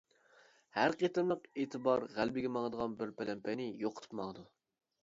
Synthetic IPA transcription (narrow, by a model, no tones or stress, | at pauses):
hæɾqet̪ɨmlˠəqeːt̪ʰɨbɑɾʁælbɪɡʲɛmɑŋd̪əʁɑnbɪɾpɛlɛmpʰɛnɪjoqʰə̥t̪ʰɨ̥pmɑŋd̪u